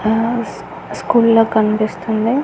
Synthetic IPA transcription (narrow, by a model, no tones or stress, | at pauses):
skuːlloːkɐnpist̪und̪i